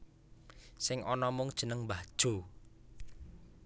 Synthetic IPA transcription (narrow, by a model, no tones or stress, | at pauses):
sɪŋɔnɔmʊŋd̥ʒ̥ə̤nəŋbad̥ʒ̥o̤